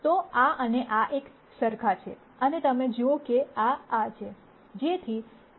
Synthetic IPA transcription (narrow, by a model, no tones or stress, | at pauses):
t̪oaəneʔaʔek | səɾkʰat͡ʃʰḛ | ənet̪əmẽd͡ʒuokeaːt͡ʃʰe | d͡ʒet̪ʰi